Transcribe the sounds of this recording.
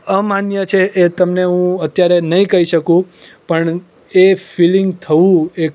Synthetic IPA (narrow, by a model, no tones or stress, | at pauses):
əmanjət͡ʃʰeʔet̪əmneɦũət̪jaɾenəɦĩkəɦiʃəkũpəɳ | efiliŋɡt̪ʰəʋũe